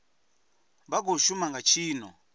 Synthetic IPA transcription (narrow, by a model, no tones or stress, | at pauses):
baɡoʃumaŋɡat͡ʃʰiːnɔ